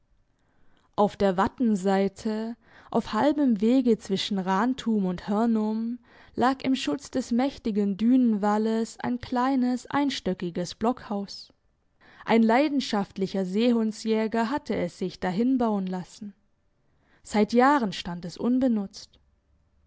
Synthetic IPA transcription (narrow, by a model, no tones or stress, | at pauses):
ʔaʊfd̥eːɐvatn̩zaɪtʰə | ʔa̰ʊfhalbəmveːɡət͡sv̥ɪʃn̩ʁaːntʰuːmʊnthɛɐnʊm | lʔaːkɪ̰mʃʊt͡sd̥ɛsmɛçtɪɡəndyːnənvaləsʔa̰ɪnkʰl̥aɪnəsʔa̰ɪnʃtœkɪɡəsb̥lɔkhaʊs | ʔaɪnlaɪdn̩ʃaftlɪçɐzeːɦʊnsjɛːɡɐɦatʰəɛsz̥ɪçd̥aɦɪnbaʊənlasn̩ | z̥aɪtjaːʁənʃtantɛsʔʊnbənʊt͡st